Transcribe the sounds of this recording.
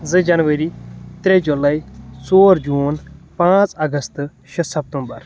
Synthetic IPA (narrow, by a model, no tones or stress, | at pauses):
zɨd͡ʒɐnʋəɾit̪ɾed͡ʒʊlaːisoːɾd͡ʒuːnpãːt͡sɐɡəst̪ | ʃɐsɐp̚t̪ũmbɐ̰ɾ